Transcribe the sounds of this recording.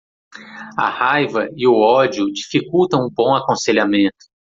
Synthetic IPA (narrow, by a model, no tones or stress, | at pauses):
ɐ̰hajvɐɪʊɔd͡ʒiʊd͡ʒifikuwt̪ɐ̃w̃ũbõw̃akõseʎamẽnt̪ʊ̥